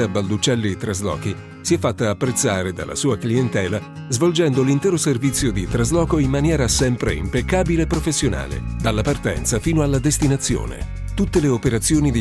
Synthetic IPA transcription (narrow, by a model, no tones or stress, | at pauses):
abald̪ut͡ʃːɛlːit̪ɾazlɔ̰ːki | siɛfːat̪ːaːpːɾet̪sːaːɾed̪a̰lːa̰suːakliɛnt̪ɛːla | zvold͡ʒɛnd̪olint̪ɛːɾoservit̪sːjod̪it̪ɾazlɔːkoimmanjɛːɾasɛmpɾḛḭmpekːaːbileːpːɾofesːjona̰ːlḛd̪alːapart̪ɛ̰nt̪safiːnoalːad̪est̪inat̪sːjo̰ːnḛ | t̪ut̪ːeleopeɾat̪sːjoːnid̪i